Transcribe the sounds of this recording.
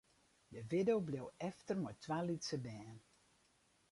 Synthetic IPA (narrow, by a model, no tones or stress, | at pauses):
dəʋɪdowblowɛftərmɔjtʰʋaːlitsəbɛːn